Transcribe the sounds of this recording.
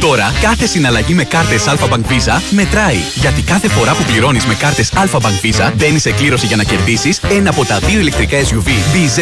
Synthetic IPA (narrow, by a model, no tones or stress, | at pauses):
t̪o̞ɾɐkɐθe̞sinɐlɐʝime̞kɐɾt̪e̞sɐlfɐbɐŋkvizɐme̞t̪ɾɐi | ʝɐt̪ikɐθe̞fo̞ɾɐpupliɾo̞nizme̞kɐɾt̪e̞sɐlfɐbɐŋkvizɐðe̞nise̞kliɾo̞siʝɐnɐce̞ɾðisise̞nɐːpo̞t̪ɐðio̞ile̞k̚t̪ɾikɐezjuviviz